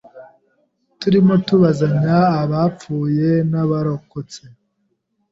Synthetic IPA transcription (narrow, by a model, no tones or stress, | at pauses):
tuɾimo̞tuβazaɲaːβap͡fuːje̞naβaɾo̞ko̞t͡se̞